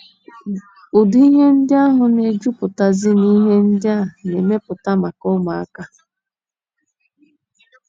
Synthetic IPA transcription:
ʊ˨dʊ˦i˦ɦe˦n̩˦dɪ˦a˦ɦʊ˨ne˨d͡ʒu˦pʊ˨ta˨zɪ˦ni˦ɦe˦n̩˦dɪ˦a˦˨ne˨me˦pʊ˨ta˦ma˨kɔ˦ma˨a̰˦ka˦

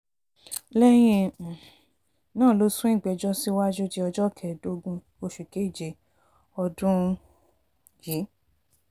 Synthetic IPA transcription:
lɛ˦j̃ĩ˧˨ | nãː˦˨lo˦sũ˦ĩ˦˨ɡ͡bɛ˨˧˨d͡ʒɔ˦si˦wa˦d͡ʒo˦d͡ʒe˧ɔ˧d͡ʒɔ˦˨kʰɛ˨do˧˦ɡũ˧ | o˧ʃu˨ke˦i˦˨d͡ʒe˧˦ | ɔ˧dũ˦ | ji˨˦

